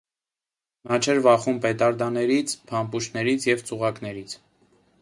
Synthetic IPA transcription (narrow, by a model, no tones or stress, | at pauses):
nɑt͡ʃʰɛɾvɑχumpɛt̪ɑɾd̪ɑnɛɾit͡sʰpʰɑmpuʃnɛɾit͡sʰjɛvt͡suʁɑkn̪ɛɾit͡sʰ